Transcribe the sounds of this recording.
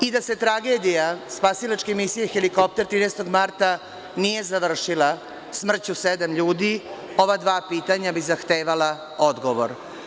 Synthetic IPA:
id̪ase̞t̪ɾaɡe̞d̪ijaspasilˠat͡ʃkemisijexeliko̞p̚t̪eɾt̪ɾiːnest̪o̞ɡmaɾt̪a | nije̞zaʋr̩ʃila | smr̩t͡ɕused̪amʎuːd̪i | o̞ʋad̪ʋaːpiːt̪aɲabizaxt̪eːʋala | o̞d̪ɡoʋo̰ɾ

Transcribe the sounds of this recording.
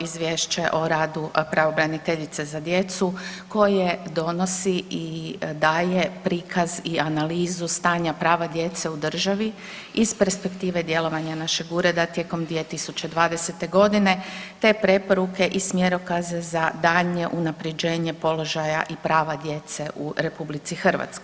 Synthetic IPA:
izʋje̞ːʃt͡ʃaʔoɾaːd̪upɾaʋo̞bɾanit̪e̞ʎit̪se̞zad̪je̞t̪suko̞jed̪o̞no̞siid̪aːje̞pɾiːkʰazianaliːzust̪aːɲapɾaːʋad̪je̞t̪seud̪r̩ʒaʋi | izpe̞ɾspe̞kt̪iːʋe̞d̪je̞lˠo̞ʋaɲanaʃe̞ɡuɾed̪at̪je̞ko̞md̪ʋiet̪isut͡ɕe̞d̪ʋaːd̪e̞se̞t̪e̞ɡo̞d̪ine̞t̪e̞ːpɾe̞po̞ɾuke̞ʔismjeɾokazezad̪aːɲe̞ʔunapɾed͡ʒe̞ːɲe̞po̞lo̞ʒaja̰ʔipɾaːʋad̪je̞t̪se̞ʔuɾe̞publit̪sixrʋa̰t̪sko

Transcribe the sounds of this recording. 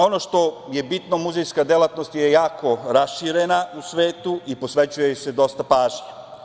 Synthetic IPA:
o̞no̞ʃt̪o̞je̞bit̪no̞muzejskad̪elˠat̪no̞st̪jejaːkʰo̞ɾasʃiɾenausʋeːt̪uipo̞sʋe̞t͡ɕujese̞d̪o̞st̪apaːʒɲe

